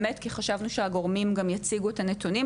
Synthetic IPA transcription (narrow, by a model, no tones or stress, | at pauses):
me̞tkiχaʃavnuʃeaɡo̞ʁmimɡamjat͡siɡuetane̞tunim